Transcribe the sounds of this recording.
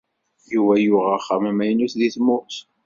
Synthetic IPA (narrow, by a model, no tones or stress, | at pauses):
juvæjʊʁəχːæmæmæjnuθðiθmʊɾθ